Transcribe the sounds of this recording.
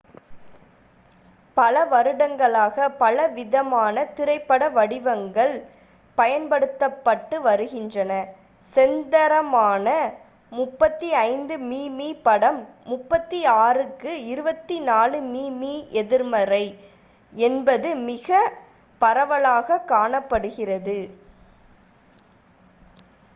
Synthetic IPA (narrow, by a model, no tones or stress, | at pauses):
pɐlɐʋɐɾɯɽɐŋɡɐɭaːɣɐpɐlɐʋɪðɐmaːnɐt̪ɪɾɐɪpːɐɽɐʋɐɽɪʋɐŋɡɐɭ | pɐjɐnpɐɽɯt̪ːɐpːɐʈːɯʋɐɾɯɣɪndrɐnɐ | sɛnd̪ɐɾɐmaːnɐ | mʊpːɐt̪ːiɐɪnd̪ɯmiːmiːpɐɽɐmːʊpːɐt̪ːiaːrɯkːɯɪɾɯbɐt̪ːinaːlɯmiːmiːʔɛðɪɾmɐɾɐɪ | ɛnbɐðɯmɪɣɐ | pɐɾɐʋɐɭaːɣɐkːaːɳɐpːɐɽɯɣɪrɐðɯ